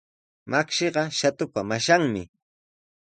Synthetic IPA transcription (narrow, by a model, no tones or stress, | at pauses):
makʃeɢɑʃat̪ʊpamaʃaŋmɪ